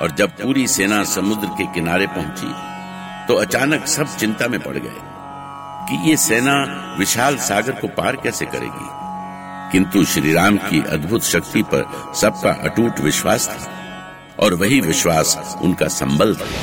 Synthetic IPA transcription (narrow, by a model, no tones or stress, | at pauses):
ɔːɾd͡ʒɐb̚puːɾiseːnasɐmʊd̪ɾəkekɪnaːɾepɐɦʊ̃t͡ʃḭ | t̪oɐt͡ʃaːnəksɐb̚t͡ʃɪ̃nt̪amẽpɐ̰ɽ̤ɡɐ̰ḛː | kijeseːna | ʋɪʃaːlsaːɡəɾkopaːɾkɛːsekɐ̰ɾḛːɡḭː | kɪ̃nt̪uʃɾiːɾaːmkiʔɐ̰d̪bʱʊt̪ʃɐk̚t̪ipɐ̰ɾ | sɐb̚ka̰ʔɐ̰ʈuːʈ̪ʋɪʃwaːst̪ʰi̥ː | ɔːɾʋɐɦiʋɪʃwaːsʊ̰nkasɐ̰̃mbə̃ld̪ɛ̰ː